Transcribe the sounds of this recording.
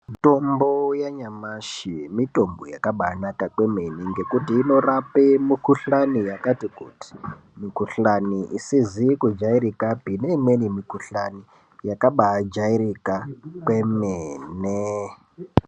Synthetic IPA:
tombojaɲamaʃimito̞mbojakaɓanakakwe̞meniŋɡe̞kutiːno̞rapemikuɬanijakatikṵːti̥ | mikuɬaniʔisizikud͡ʒaiɾikabʱinemenimikuɬani | jakaɓad͡ʒaiɾikakwe̞meːne

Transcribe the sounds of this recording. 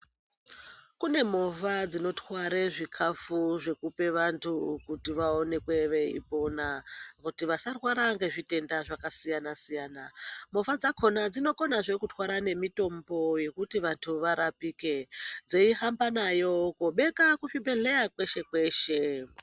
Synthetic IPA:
kune̞movad͡zino̞twaɾeʐikʰafuʐe̞kupe̞ʋantʰukutiʋao̞ne̞kwe̞ʋe̞ḭpo̞nakutiʋasarwaɾaŋɡe̞ʐite̞ndaʐakasijanasijaːnamofad͡zakʰo̞nad͡zino̞ko̞naʐe̞kutwaɾane̞mito̞mbo̞je̞kutiʋantʰuʋaɾapiːke̞d͡zeiɦambanajo̞koɓe̞kakuʂiɓe̞ɮe̞jakwe̞ʃe̞kwe̞ːʃe

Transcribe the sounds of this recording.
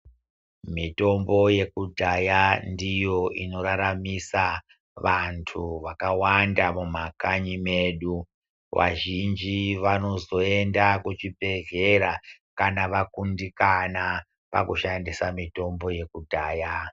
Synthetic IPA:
mito̞mbo̞je̞kudʱajandijo̞ʔḭno̞ɾaɾamisa | ʋantʰuʋakawandamum̤akaɲime̞ɗu | ʋa̰ʒind͡ʒiʋano̞zo̞e̞ndakut͡ʃibʱe̞ɮeɾa | kanaʋakundikana | pa̰kuʃandisamito̞mbo̞je̞kudʱaːja

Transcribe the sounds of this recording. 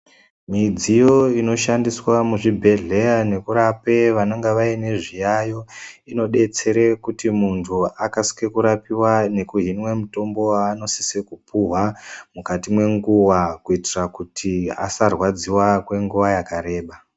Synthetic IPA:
mid͡zijo̞ino̞ʃandiswamuʐibʱe̞ɮe̞jane̞kuɾape̞ʋano̞ŋɡeʋaine̞ʐijajo̞ino̞ɗe̞t͡se̞ɾe̞kutimuntʰuakasi̥kekuɾapiwane̞kuɦinwe̞muto̞mbo̞aːno̞si̥sekupuɦwamukatimwe̞ŋɡuwakuitirakutʰia̰sarwad͡ziwakwe̞ŋɡuʋajakaɾe̞ːɓa

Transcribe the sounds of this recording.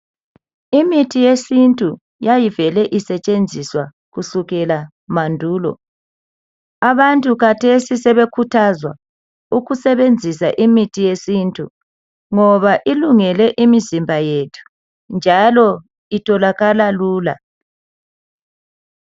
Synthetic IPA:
imitʰijesintʼu | jajivɛlɛʔisɛt͡ʃʼend͡zʱiswa | ɣuɬuɣɛla | mandʱuːlɔ̰ | aβantʼuɣatʰesisɛβekʰutʰazwa̰ | uɣusɛβend͡zʱisa̰ʔimitʰijesintʼṵ | ŋɔβaʔiluŋɛlɛʔimizimbʱajetʰu̥ | nd͡ʒʱalɔ | itʰɔlaɣalaluːla̰

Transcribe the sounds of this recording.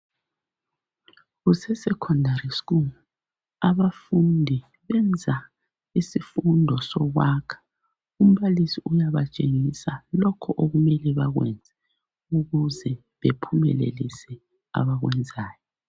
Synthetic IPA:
ɣusɛsɛkʰɔndʱaɾisku | aβafundʱi | βɛnd͡zʱa | isifundʱɔsɔɣwaːkʰḁ | um̩βalisiujaβat͡ʃʼeŋisalɔkʰɔʔoɣumɛliβaɣwɛ̰nd͡zʱɛ | uɣuzɛ | βepʰumɛ̰lḛlisɛ | a̰βaɣwɛnd͡zʱaːjɔ

